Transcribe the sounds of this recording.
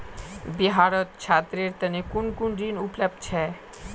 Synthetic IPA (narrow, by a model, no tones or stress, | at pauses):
biɦaɾɔt̪̚t͡ɕʰat̪ːɾeɾt̪ɛnekunkunɾinupleb̚t͡ɕʰɛ